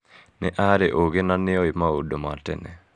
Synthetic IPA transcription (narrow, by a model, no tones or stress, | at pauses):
nɛʔaɾeʔoɣenanɪɔɪmaodomatɛ̰nɛ̰